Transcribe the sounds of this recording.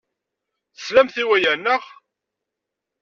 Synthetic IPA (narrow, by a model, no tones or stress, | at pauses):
θə̥slæmθiwæjænːəʁ